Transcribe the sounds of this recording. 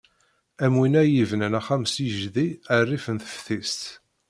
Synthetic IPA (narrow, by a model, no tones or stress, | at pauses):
æmwinæjivnənæχæmsiʒðiərːifənθə̥fθist̪